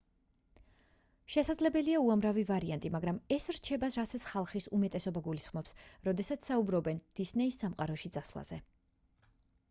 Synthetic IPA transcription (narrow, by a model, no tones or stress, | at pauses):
ʃɛsad̪zlɛbɛliauamɾavivaɾiant̪ʼimaɡɾamɛsɾt͡ʃʰɛbasɾasat̪sʰχalˠχisumɛt̪ʼɛsɔbaɡulisχmɔpsɾɔd̪ɛsat̪ssaubɾɔbɛnd̪̥isnɛisːamqʼaɾɔʃid̪zasvlˠa̰z̥ɛ